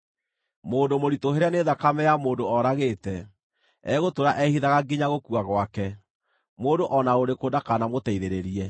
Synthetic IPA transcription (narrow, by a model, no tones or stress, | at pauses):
moːndomoɾitoɦeɾeaneðakamɛjamoːndoɔɾaɣeːtɛ | ɛɣotoɾaʔɛhiðaɣaɡiɲaɣokuaɣwakɛ | moːndoʔɔnaoɾekoːdakanamotɛiðeɾeɾiɛ